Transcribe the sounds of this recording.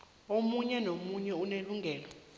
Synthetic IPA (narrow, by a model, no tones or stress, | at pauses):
omuɲɛnomuɲɛuneluŋɡʱɛːlɔ